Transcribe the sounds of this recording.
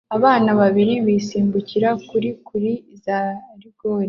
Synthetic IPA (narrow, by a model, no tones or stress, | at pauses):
aβaːnaβaβiɾiβiːsiːmbuciɾakuɾikuɾizaɾiɡoːɾe